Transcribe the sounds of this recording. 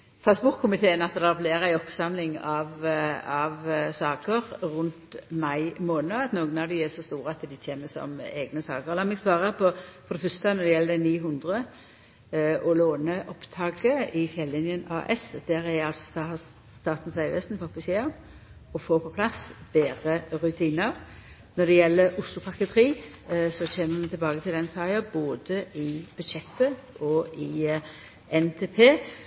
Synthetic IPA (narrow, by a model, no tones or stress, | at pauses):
st̪ɾɑsbʊɾt̪kʰʊmɪt̪ʰeːənɑt̪ːəd̪ɛɑfleːʁæɪɔpsɑmlɪŋɑʋɑʋsɑːkəʁʁʉnt̪mɑɪmoːnənəɑt̪noːɡənɑʋd̪ɪæsɔst̪uːɾəɑt̪d̪ɪtʰeːməsɔ̰meːɡnəsɑ̰ːkəʁɛlɑmɛɡsʋɑːʁəpʰɔfɔɾd̪ɛfœst̪ənɔd̪ɛjɛlːəd̪ɛniːɦʊnd̪ʁə | ʔɔloːnəʔɔpt̪ʰɑːɡəɪfjɛlːɪnjənɑ̰ːʔɛsd̪̥æʁæɑlsɔ̥ | st̪ɑːt̪n̩sʋæɪʋɛst̪n̩pʰɔpːɪsɪɑm | ɔfoːpʰɔpʰlɑsb̥eːɾəʁʉt̪ʰiːnəʁ | nɔd̪ɛjɛlːəɾʊslʊpʰɑkət̪ʰəɾiː | sɔçeːməmɛnt̪ʰɪlbɑːɡət̪ʰɪld̪ɛnsɑɪəboːd̪əɪb̥ʉd̪ʃɛt̪ːəʔɔɪ | ɛnt̪ʰeːpʰeː